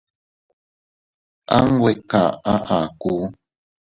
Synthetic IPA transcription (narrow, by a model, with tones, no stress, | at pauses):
ʔa˦ŋwe˨ka̰˨a˦ʔa˨ku˦